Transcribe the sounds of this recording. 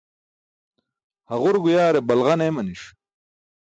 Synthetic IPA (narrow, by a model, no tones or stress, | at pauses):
hɐʁuɾɡujaːɾebɐlʁɐnemɐniʂ